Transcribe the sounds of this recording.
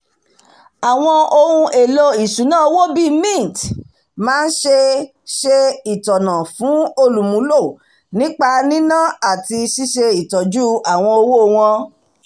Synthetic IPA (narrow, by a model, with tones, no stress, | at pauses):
a˨w̃ɔ̃˧o˧hũ˧ʔe˨lo˧i˨ʃũ˨˦nãː˦o˧wo˦˨bi˦mĩ˦˨t | mãː˦n̩˦ʃe˧ | ʃe˧i˨tɔ˨nã˨fũ˨˦o˧lu˨mũ˨˦lo˦˨ | nĩ˨˦k͡pa˧nĩ˦nã˦˨a˦˨ti˧ʃi˦ʃe˧i˨tɔ˨d͡ʒu˦a˨w̃ɔ̃˧o˧wo˦o˧w̃ɔ̃˧